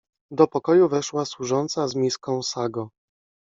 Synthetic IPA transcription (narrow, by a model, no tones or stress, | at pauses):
d̪ɔpɔkɔjuvɛʂwaswuʐɔnt̪sazmʲiskɔ̃w̃saɡɔ